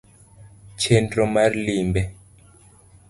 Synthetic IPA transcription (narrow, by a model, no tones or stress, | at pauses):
t͡ʃɛndɾɔmaɾlimbɛ